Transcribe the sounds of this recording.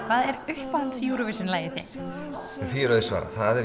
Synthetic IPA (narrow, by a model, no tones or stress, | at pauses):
kʰv̥aːðɛɾʏhpant̪sjuːɾɔvɪsɪnlaːjɪθjɛ̰tt̪ | ɛnθviɛɾœðsva̰ːɾa̰θaðɛ